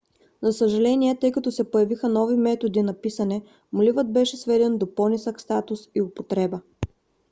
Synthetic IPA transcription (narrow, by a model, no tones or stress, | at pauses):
zɐsəʒɐlɛniɛt̪ɤjkɐt̪ɔsɛpojɐvixənɔvimɛt̪od̪inɐpisɐnɛ | mlivət̪̚bɛʃɛsvɛd̪ɛnd̪opɔnisəkst̪at̪ʊsiʊpot̪ɾɛbə